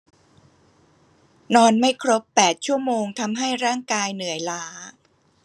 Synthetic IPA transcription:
nɔː˧nma˥˩jkʰɾo˦˥pːɛː˨˩t̪̚t͡ɕʰu˥˩əmoː˧ŋt̪ʰa˧mɦa˥˩jɾaː˥˩ŋkaː˧jnɯ˨˩˦əjlaː˦˥

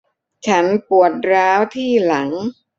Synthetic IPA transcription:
t͡ɕʰa˦˥npu˨˩ət̪̚ɾaː˦˥wt̪ʰiː˥˩la˩˦ŋ

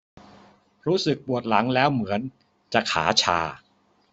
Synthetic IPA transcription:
ɾuː˦˥sɯ˨˩k̚pu˨˩ət̪̚la˩˦ŋlɛː˦˥wmɯ˩˦ən | t͡ɕa˨˩kʰa̰ː˩˦t͡ɕʰa̰ː˧

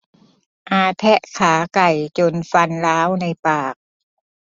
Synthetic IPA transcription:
ʔaː˧t̪ʰɛ˦˥ʔkʰaː˩˦ka˨˩jt͡ɕo˧nfa˧nlaː˦˥wna˧jpaː˨˩k̚

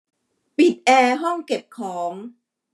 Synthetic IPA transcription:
pi˨˩t̪̚ʔɛː˧ɦɔ˥˩ŋke˨˩p̚kʰɔː˩˦ŋ

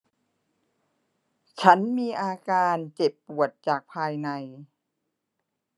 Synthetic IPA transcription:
t͡ɕʰa˦˥nmiː˧ʔaː˧kaː˧nt͡ɕe˨˩pːu˨˩ət̪̚t͡ɕaː˨˩k̚pʰaː˧jna˧j

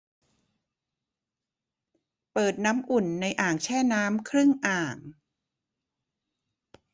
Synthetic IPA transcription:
pɤː˨˩t̪̚naː˦˥mʔu˨˩nːa˧jʔaː˨˩ŋt͡ɕʰɛː˥˩naː˦˥mkʰɾɯ˥˩ŋʔaː˨˩ŋ

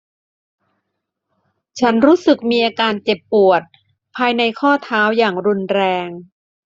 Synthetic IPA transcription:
t͡ɕʰa˦˥nɾuː˦˥sɯ˨˩k̚miː˧ʔaː˧kaː˧nt͡ɕe˨˩pːu˨˩ət̪̚ | pʰaː˧jna˧jkʰɔː˥˩t̪ʰaː˦˥wjaː˨˩ŋɾu˧nɾɛː˧ŋ

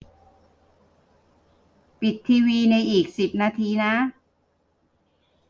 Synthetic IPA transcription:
pi˨˩t̪ʰːiː˧wiː˧na˧jʔiː˨˩k̚si˨˩p̚naː˧t̪ʰiː˧na˦˥

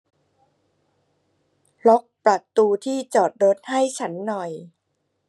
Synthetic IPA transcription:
lɔ˦˥k̚pɾa˨˩t̪ːuː˧t̪ʰiː˥˩t͡ɕɔː˨˩t̪̚ɾo˦˥t̪̚ha˥˩jt͡ɕʰa˦˥nːɔ˨˩j

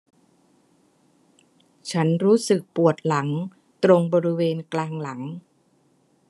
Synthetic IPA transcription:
t͡ɕʰa˦˥nɾuː˦˥sɯ˨˩k̚pu˨˩ət̪̚la˩˦ŋ | t̪ɾo˧ŋbɔː˧ɾi˦weː˧nklaː˧ŋla˩˦ŋ

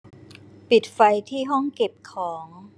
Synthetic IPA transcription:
pi˨˩t̪̚fa˧jt̪ʰiː˥˩ɦɔ˥˩ŋke˨˩p̚kʰɔː˩˦ŋ

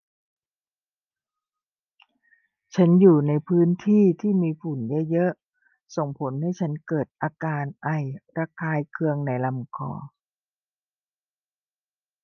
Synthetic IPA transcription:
t͡ɕʰa˦˥njuː˨˩na˧jpʰɯː˦˥nt̪ʰiː˥˩t̪ʰiː˥˩miː˧fu˨˩njɤ˦˥jɤ˦˥ʔ | so˨˩ŋpʰo˩˦nha˥˩jt͡ɕʰa˦˥nkɤː˨˩t̪̚ʔaː˧kaː˧nʔa˨˩jɾa˧kʰaː˧jkʰɯ˧əŋna˧˩jla˧mkʰɔ̰ː˧˩

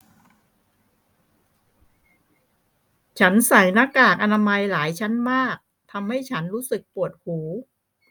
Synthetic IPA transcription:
t͡ɕʰa˦˥nsa˩˦jna˦˥kaː˨˩k̚ʔa˧naː˧ma˧jlaː˩˦jt͡ɕʰa˦˥nmaː˥˩k̚ | t̪ʰa˧mha˥˩jt͡ɕʰa˦˥nɾuː˦˥sɯ˨˩k̚pu˨˩ət̪̚huː˩˦

